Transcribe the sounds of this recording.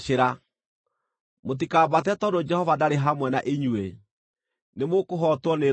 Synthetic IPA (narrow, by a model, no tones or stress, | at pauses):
ʃeɾa | mot̬ikaːbat̬ɛtɔdod͡ʒɛhɔvadaɾeɦamwɛnaʔeɲwe | nemokoɦɔtwɔne